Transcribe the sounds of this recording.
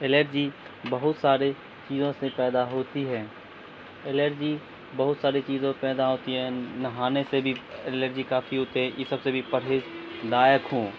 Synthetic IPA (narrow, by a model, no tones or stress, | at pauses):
eleɾd͡ʒi | bəɦʊt̪saːɾe | t͡ʃiːzõsepɛːd̪aɦoːt̪iɦɛ̃ː | eleɾd͡ʒi | bɐɦʊt̪saːɾet͡ʃiːzẽpɛːd̪aɦoːt̪iɦɛ̃nɐɦaːnesebʱieləɾd͡ʒikaːfiɦoːt̪eɦɛ̃jɪsəbsebʱipəɽɦeːzd̪aːjəkɦõː